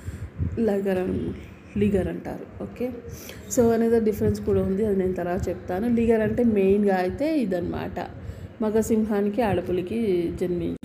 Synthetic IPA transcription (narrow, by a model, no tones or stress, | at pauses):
lɐɡɐɾɐn | liːɡɐɾɐɳʈa̰ːɾuoːke̞ː | soːɐneːd̪ɐɖifʰɐɾenskuːɽaːund̪iɐd̪ine̞ːnut̪ɐɾaːt͡ʃep̚t̪aːnuliːɡɐɾɐɳʈe̞ːme̞jnɡaːjit̪e̞ːid̪ɐnima̰ːʈɐ̰ | mɐɡɐsimɦaːnikiaːɽɐpulɐkid͡ʒɐnmit͡ʃ